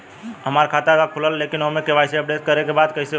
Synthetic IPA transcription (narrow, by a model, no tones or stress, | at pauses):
əmaɾkʰat̪aeʋakʰuləlːekinəmekeʋajt͡ʃʰeəp̚ɖet̪̚kəɾekebad̪kəise